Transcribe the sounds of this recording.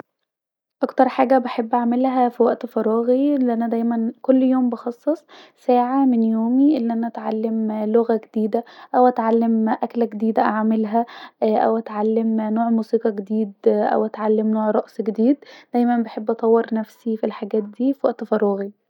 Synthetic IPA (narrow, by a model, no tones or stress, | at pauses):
ʔɑkt̪ɑɾˤħaːɡæbeħebːʔaʕmelɦæfiwæʔt̪fɑɾˤɑːɣilːiʔænæd̪æjmænkolːjoːmbɑxɑsˤːesˤsæːʕamenjoːmiʔelːiʔænæʔæt̪ʕalːemloɣæɡed̪̥iːd̪æʔæwʔæt̪ʕalːemʔæklɡed̪iːd̪æʔaʕmelɦæʔæ̰wʔæt̪ʕalːemnoːʕmuːsiːqɑɡed̪iːd̪ʔæ̰wʔæt̪ʕalːemnoːʕɾˤɑʔsɡed̪iːd̪d̪̥æjmænbeħebːʔɑt̪ˤɑwːeɾnæfsifilħaɡæːt̪̚d̪iːfiwæʔt̪fɑɾˤɑːɣi